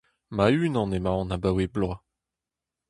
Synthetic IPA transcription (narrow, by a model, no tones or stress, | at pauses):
mayːnɑ̃nemaɑ̃nabaweblwa